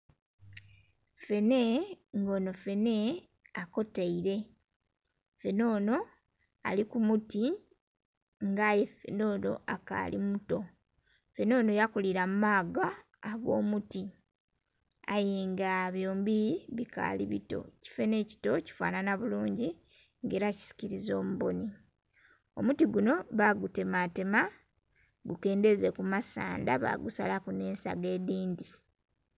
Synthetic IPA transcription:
fe̞ne̞ŋɡo̞ːno̞fe̞ne̞ | ako̞taiɾe̞ | fe̞no̞ːno̞ | a̰likumuti | ŋɡaːjefe̞no̞ːno̞̰ʔaka̰lʔḭmuto̞ | fe̞no̞ːno̞jakuliɾamumaːɡaː | ɡo̞̰ːmuti | ajeŋɡaβjo̞ːmbiβika̰ːlḭβḭto̞̰ci̥fe̞ne̞ːci̥to̞ci̥fa̰ːnanaβuluːɲɟi | ŋɡe̞ːɾaci̥si̥ciɾizo̞ːmuβo̞ni | o̞mutiɡuno̞βaɡute̞mate̞ma | ɡuke̞ːnde̞ze̞kumasa̰ːndaβa̰ɡusa̰lakune̞ːsa̰ɡe̞ːdiːndi

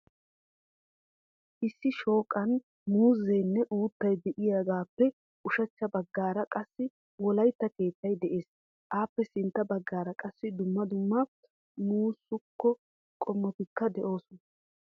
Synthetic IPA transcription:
ʔɪsːɪʃo̞ːkʼɐn | muːzːeːnːɛʔuːt̪ːɐjd̪ɛʔɪjaɡaːpːɛ | ʊʃɐt͡ʃːɐbɐɡːaːɾɐkʼɐsːɪ | wɔlɐjt̪ːɐke̞ːt̪ːɐjd̪ɛʔeːs | ʔaːpːɛsɪnt̪ːɐbɐɡːaːɾɐkʼɐsːɪd̪ʊmːɐd̪ʊmːɐ | muːsːʊkːɔ | kʼɔmːɔt̪ɪkːɐd̪ɛʔo̞ːsʊnɐ

